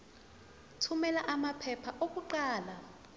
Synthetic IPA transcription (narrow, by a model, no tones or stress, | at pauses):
tʰumɛlaʔamapʰɛpʰaʔok̬ʼuǃaːla